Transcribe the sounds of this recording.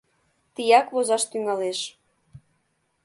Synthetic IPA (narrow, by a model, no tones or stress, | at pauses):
t̪ijɑkβozɑʃt̪yŋɑleʃ